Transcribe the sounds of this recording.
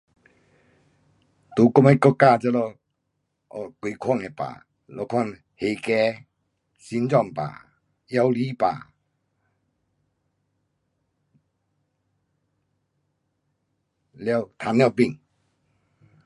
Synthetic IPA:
t̪u˨˦kɔ˥˧me˧˦kɔ˥˧ka˥˧˨t͡sə˧lɔ˧˨ | ɔ˧˨kwi˨kʰwa˥˧˨ŋɛ˨pa̰˨ | lɔ˧kʰwa˥˨n | he˨˩kɛ˧˦ | si˧˦nt͡sɔ˥˨mpa̰˨˩ | ja˧wli˦pa̰ː˨˩ | lja˥˧˨t̪ʰa˨˦nlja˧wpi˥˧˨ŋ

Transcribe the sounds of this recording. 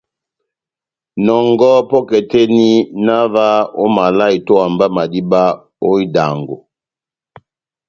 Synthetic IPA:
nɔ˨ŋɡɔ˦pɔ˦kɛ˨tɛ˦ni˦na˦va˦o˦ma˨la˦i˨to˦a˨mba˦ma˨di˦ba˦ | o˦i˦da̰˨ŋɡo̰˨

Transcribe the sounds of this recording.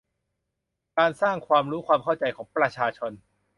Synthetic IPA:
kaː˧nsaː˥˩ŋkʰwaː˧mɾuː˦˥kʰwaː˧mkʰa˥˩wt͡ɕa˧jkʰɔː˩˦ŋpɾa˧t͡ɕʰaː˧t͡ɕʰo˧n

